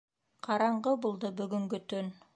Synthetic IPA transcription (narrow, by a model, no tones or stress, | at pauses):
qʰɑɾɑɴɢɤbulˠd̪ɤbɵ̆ɡɵ̆ŋɡɵt̪ɵn